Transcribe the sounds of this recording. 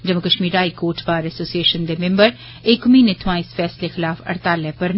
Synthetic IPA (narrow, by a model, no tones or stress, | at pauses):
d͡ʒəmokəʃmiːɾaːikoːɾʈpaːɾɛsoːsieːʃənd̪eːmẽmbəɾ | ɪkmĩːnet̪ʰʊãːɪsfʰɛːslexɪlaːfə̰ɾt̪aːlɛːpəɾn